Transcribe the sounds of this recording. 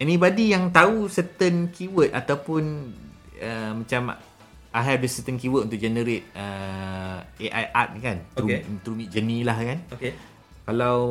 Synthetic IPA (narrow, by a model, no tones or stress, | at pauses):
ɛnibadijaŋt̪ausɛt̪ənkuwət̪̚a̰t̪awpʊn | əmãt͡ʃam | ʔaɦadisɛt̪ənkuwət̪̚ʔunt̪ʊk̚ʔd͡ʒɛnəɾet̪̚ə | eʔajʔa̰t̪̚kant̪ɾut̪ɾumit̪̚d͡ʒənĩlahkanoke | kalaw